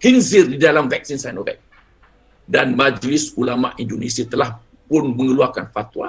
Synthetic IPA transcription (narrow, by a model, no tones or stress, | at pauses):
hinzɪrdidalamvɛk̚sinsajnovɛ̰k̚ | danmad͡ʒlɪsulama̰ʔindonesiat̪əlah | pʊnmə̃ŋəluarkanfat̪wa̰